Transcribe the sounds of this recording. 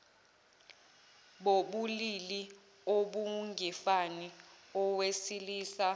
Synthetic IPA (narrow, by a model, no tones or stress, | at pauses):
ɓoɓulili | oɓuŋʱifaniɔwesiliːsa